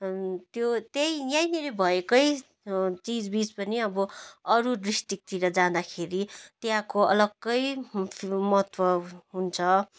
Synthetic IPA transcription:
t̪jot̪jejjãjniɾebʱʌekʌj | t͡sid͡zbid͡zpʌniʌbʌʌɾudrist̪ik̚t̪iɾʌd͡zad̪akʰeɾit̪jãkoʌ̰lʌɡːʌj | mʌɦʌt̪wʌɦunt͡sʰʌ

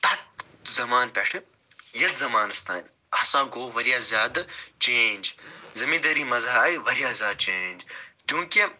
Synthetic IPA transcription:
t̪ɐt̪ | zɐmaːnpɛʈʰɨ | jɐt̪zɐmaːnɐst̪a̰ːn | ɐsãːɡoːʋɐɾijaːzʲjaːd̪t͡ʃẽːnd͡ʒzɐmĩːd̪ɐɾiːmɐzaaːiʋɐɾijaːzʲjaːd̪̚t͡ʃẽːnd͡ʒt̪ʲjũːke

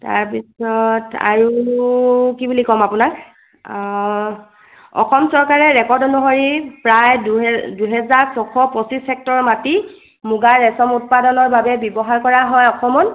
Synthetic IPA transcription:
ta̰ɹpisɔta̰ɹu | kibulikɔmapunak̚ | ɔ̰xɔmsɔɹkaɹɛɹɛkɔɹdɔnɔɦoɹipɹajdduɦɛzaɹsɔkʰɔposisɛk̚tɔɹmati | muɡaɹɛsɔmut̚padɔnɔɹbabɛbɔbɔɦaɹkɔɹaɦɔjɔxɔmɔn

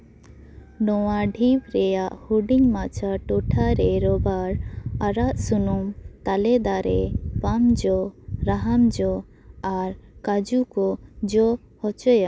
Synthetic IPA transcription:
nɔwaɖʱibɾɛjaʔhuɖiɲmat͡ʃʰaʈɔʈʰaɾɛɾɔbaɾaɾaʔsunumt̪alɛd̪aɾɛpamd͡ʒɔɾaɦamd͡ʒɔ | aɾkad͡ʒukɔd͡ʒɔ | hɔt͡ʃɔjaʔ

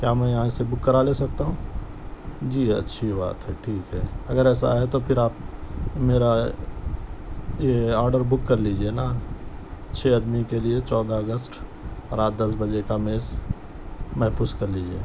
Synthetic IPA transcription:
kjaːmɛ̃jɐɦãsebʊkːɐɾalesɐk̚t̪aɦũː | d͡ʒiːɐ̰tːʃʰiba̰ːt̪ɦɛʈʰiːkɦɛːɐɡəɾɛːs̬a̰ɦɛt̪opʰɪɾaːp̚meːɾa | jeɔːɾɖəɾbʊkːɐɾliːd͡ʒiena | t͡ʃʰeɐd̪mikeliet͡ʃɔːd̪aɐɡəsʈɾaːt̪̚d̪ɐs̬bɐd͡ʒekameːs | mɛɦpuːskɐɾliːd͡ʒieː

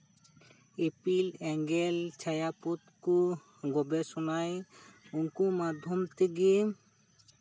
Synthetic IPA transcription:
epilɛŋɡɛlt͡ʃʰajapɔt̪ku | ɡɔbɛsɔnajunkumad̪ʱjɔmt̪ɛɡi

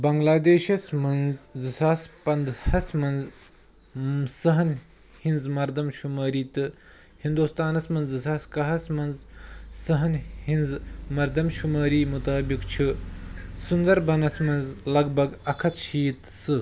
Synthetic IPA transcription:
bɐŋɡlaːd̪eːʃɐsmɐnzzɨsaːspɐnd̪hɐsmɐnz | sɐɦɐn | hinzmɐɾd̪ɐmʃumaːɾiːt̪ɨ | hind̪uːst̪aːnɐsmɐnzɨsaːskɐɦɐsmɐnzsɨɦɐnhinzmɐɾd̪ɐmʃumaːɾiːmut̪aːbikt͡ʃʰɨ | sund̪ɐɾbɐnɐsmɐnzlɐɡbɐɡɐkʰɐt̪ʃʰiːt̪sɨ

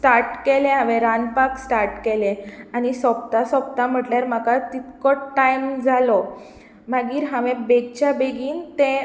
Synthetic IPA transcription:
sʈaɾʈkelẽɦaʋẽɾanpaksʈaɾʈkɛlẽanisɔpt̪asɔb̚t̪am̤əʈljaɾm̤akat̪it̪kɔʈːajmd͡zʱalɔ | m̤aɡiːɾɦãʋẽbeɡ̚t͡ɕjabeɡiːnt̪ẽ

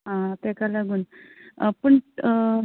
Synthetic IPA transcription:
ɦãt̪ɛkalaɡuːn | pəɳ

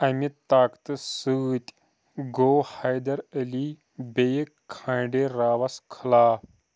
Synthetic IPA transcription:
ɐmit̪aːkt̪ɨsɨːt̪ʲ | ɡowhajd̪ɐɾəli | bejekkʰːãːɖeɾaːʋaskʰəlaː

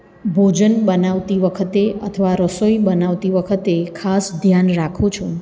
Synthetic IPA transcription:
bʱod͡ʒənbənaʋt̪iʋəkʰət̪eət̪ʰəʋaɾəsoibənaʋt̪iʋəkʰət̪ekʰasd̪ʱjanɾakʰũt͡ʃʰũ

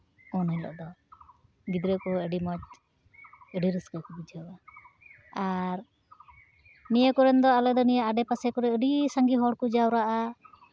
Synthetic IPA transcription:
ɔnəlɔ̰ʔd̪ɔ | ɡid̪ɾəkɔəɖimɔt͡ʃ | əɖiɾəskəkɔbid͡ʒʱawa | aɾ | nijəkɔɾɛnd̪ɔalɛd̪ɔnijaaɖɛpasɛkɔɾɛəɖisaŋɡiɦɔɽkud͡ʒawɾaʔa

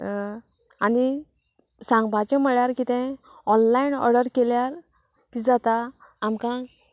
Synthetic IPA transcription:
ani | sãŋɡbat͡ɕɛ̃məɭjaɾkit̪ɛ̃ | ɔnlainɔ̰ɾɽəɾkeljaɾ | k̪id͡zat̪aː | mkã

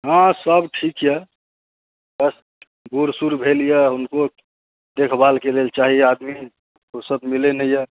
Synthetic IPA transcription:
ɦãsəbʈʰikjɛ | bəs | bʱuɾsuɾbʱelijəɦunko | d̪ekʰbalkelelt͡ʃaɦiead̪mi | osəbmilenəjə

